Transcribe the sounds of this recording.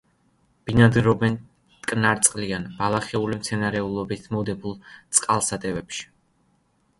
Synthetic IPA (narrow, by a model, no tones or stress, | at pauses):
b̥inad̪ɛɾɔbɛn | t̪kʼnaɾt̪sʼqʼlianbalˠaχɛulimt̪sʰɛnaɾɛulˠɔbit̪ʰmɔd̪ɛbulˠt̪sʼqʼalˠsat̪ʼɛvɛpʃi̥